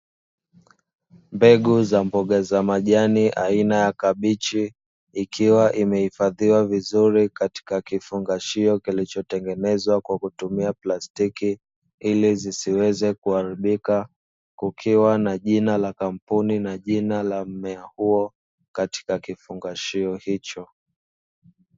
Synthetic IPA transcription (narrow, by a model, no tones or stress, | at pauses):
mbɛɠuzambɔɠazamaʄaniʔainajakaɓit͡ʃiː | kʰiwaʔimɛhifaðiwavizuɾikati̥kakifuŋɡaʃiɔkilit͡ʃɔtɛŋɡɛnɛzwakwakutumiaplastiki | ilizisiwɛzɛkuhaɾiɓika | kukʰiwanaʄinalakam̩puninaʄinalam̩mɛahuɔ | kati̥kakifuŋɡaʃiɔhit͡ʃɔ